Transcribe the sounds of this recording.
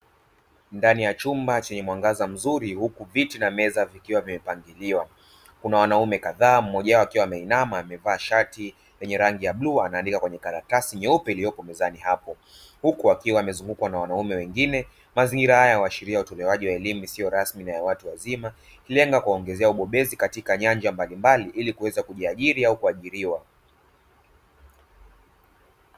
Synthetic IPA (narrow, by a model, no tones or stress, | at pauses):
ndanijat͡ʃumbat͡ʃɛɲɛmwaŋɡazam̩zuɾihukuvitinamɛzavikiwavimɛpaŋɡiliwa | kunawanaumɛkaðaːm̩mɔʄaɔakiwamɛinamaːmɛvaːʃati | lɛɲɛɾaŋɡijaɓluaːnaːndikakwɛɲɛkaɾakasiɲɛupɛilijɔpɔmɛzanihapɔ | hukuakiwaːmɛzuŋɡukwanawanaumɛwɛŋɡinɛ | maziŋɡiɾahajawaʃiɾiautɔlɛwaʄiwaɛlimusiɔɾasminajawatuwazima | hilɛŋɡakuaɔŋɡɛzɛauɓɔɓɛzikatikaɲand͡ʒambalimbaliʔilikuwɛzakuʄiaʄiɾiaukuaʄiɾiwa